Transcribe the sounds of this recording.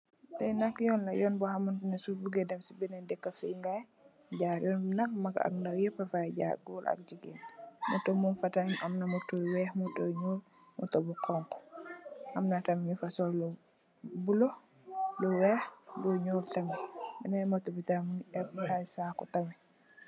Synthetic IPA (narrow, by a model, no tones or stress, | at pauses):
dɛjnakjɔnlajɔnbɔhamantunɛsubuɡɛdɛmsibɛnɛndɛkːafijŋɡaj | d͡ʒaɾjɔnnak̚maka̰kndawjɛpːafad͡ʒa̰ɾɡɔlʔa̰k̚d͡ʒiɡɛ̰nmɔtɔmunfataɲamnamɔtɔwɛhmɔtɔɲɔl | mɔ̰tɔbɔkʰɔŋkɔ̥ʔamnatamɲufasɔllɔ | bulɔ | lɔwɛhdɔɲoltamibɛnamatobitamuɛphajsakɔtamɛ